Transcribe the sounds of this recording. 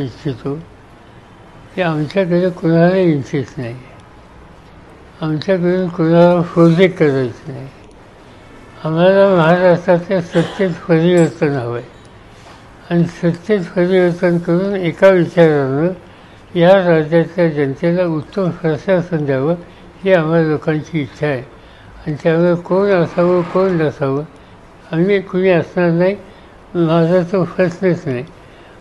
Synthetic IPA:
ikt͡ɕʰit̪o | kiamt͡ɕjak̬əd̪ekuɽ̤̃alaint͡ɕit͡snaɦi | amt͡ɕjak̬əɾuːnkuɽ̤̃alafod̪ikəɾəjt͡snaɦi | am̤alaməɦaɾastɾat̪jasət̪ːet̪fəɾiʋəɾt̪ənɦaʋaj | anisət̪jet̪fəɾiʋəɾt̪ənkəɾuːnekaʋit͡ɕaɾanə | jaɾad͡ʑjat͡ɕjad͡ʑənət̪elaut̪ːəmsəsasənd̪ʱjaʋə | hiːam̤ɦalalokãɲt͡ɕiːt̪ːɕʰae | anit̪aʋeɾkonəsaʋəkondəsaʋə | amiːkoniːəsnaɾnaɦi | məaɦad͡zʱast͡səɕəsnet͡snaɦi

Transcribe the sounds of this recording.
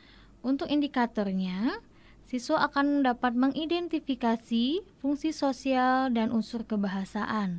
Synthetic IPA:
ʔunt̪ʊkindikat̪ɔrɲa | siswaʔːkandapat̪̚məŋʔidɛnt̪ifikasifuŋsisosialdanʔusʊrkəbaɦasaʔan

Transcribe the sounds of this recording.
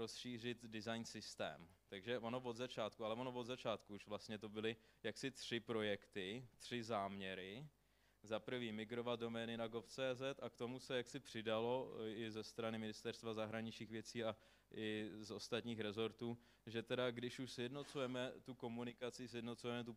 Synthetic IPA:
ɾo̞sʃiːr̝ɪt̪dɪzajnsɪst̪ɛ̰ːmt̪aɡʒɛʔono̞vo̞d̪zat͡ʃaːt̪kualɛvono̞vo̞d̪zat͡ʃaːt̪kuuʃvlast̪ɲɛt̪o̞bɪlɪjaksɪt̪r̝̥ɪpɾo̞jɛkt̪ɪt̪r̥ɪzaːmɲɛɾɪ | zapɾ̩viːmɪɡɾo̞vat̪̚do̞mɛːnɪnaɡoft͡sɛːzɛt̪akt̪o̞musɛjaksɪpr̝̥ɪdalo̞ɪzɛst̪ɾanɪmɪnɪst̪ɛɾst̪vazaɦɾaɲɪt͡ʃɲiːxvjɛt͡siːa | ʔɪzo̞st̪at̪ɲiːxɾɛzo̞ɾt̪uː | ʒɛt̪ɛdaɡdɪʃuʃsjɛdno̞t͡sujɛmɛt̪uko̞munɪkat͡sɪsjɛdno̞t͡sujɛmɛt̪u

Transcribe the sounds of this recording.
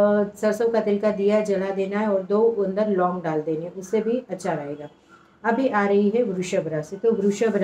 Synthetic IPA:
sɐɾsəwkad̪ɪlkad̪ijad͡ʒɐlad̪eːnaɦɛɔːɾd̪oːʊ̃nd̪əɾlɔ̃ːŋɡɖaːld̪eːneɛ̃ʊsːebʱiɐtːʃʰaɾaːeːɡaː | ɐbʱiʔaːɾɐɦiɦɛɡɾʊʃəbɾaset̪oɡɾʊʃəbɾ

